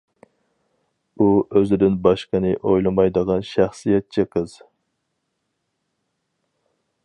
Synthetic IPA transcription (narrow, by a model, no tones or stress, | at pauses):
uøzɪd̪ɪnbɑʃqənɨʔojlˠɨmɑjd̪əʁɑnʃæχsijɛt̪̚t͡ʃʰɪqʰəz̥